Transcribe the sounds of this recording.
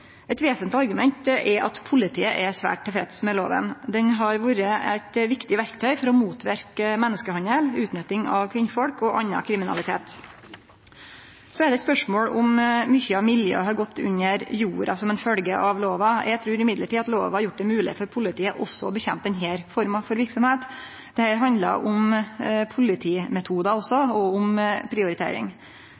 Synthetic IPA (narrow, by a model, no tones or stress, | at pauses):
ɛɪt̪ʋeːsənt̪ɪɑɾɡʉmɛnt̪ʔɛʔɑ̰t̪pʰʊlɪt̪ʰiːəʔɛsʋæ̰ːʈt̪ʰːɛfɾɛ̰t̪smɛloːʋə̰nd̪ɛnɦɑɾʋuːɾəæ̰ɪt̪ʋɪkt̪ɪʋæɾkt̪ʰœʏfɔɾɔmuːt̪ʰʋæ̰ɾkəmɛnːəskəhɑnəlʉːt̪nœt̪ɪŋɑʋkʰʋɪnfɔɽkɔʔɑnːɑ̰kʰɾɪmɪnɑ̰lɪt̪ʰḛːt̪ | sɔɛd̪ɛt̪spœʂmoːɽʊmːʏçəɑʋmɪljø̰ːɦɑɾɡɔt̪ːʉ̰ɲːəɾjuːɾɑsɔmɛnfœlɡəʔɑʋloːʋɑjʔæt̪ʰɾʉːɾɪmɪd̪ləʈiːɑt̪lo̰ːʋhɑɾjʊʈ̚ːd̪ɛmʉːlɪ̰fɔɾpʰʊlɪt̪ʰiːəʔɔsːɔɔbəçɛmp̚t̪ɛnɦeːɾfɔɾmɑfɔɾʋɪɾksɔmheːt̪ | d̪̥ɛhæːɾɦɑnd̪lɑ̰ʔʊmpʰʊlɪt̪ʰiːmɛt̪ʰuːd̪ɑɔsːɔɔʊmpʰɾɪʊɾɪt̪ʰḛːɾɪ̰ŋ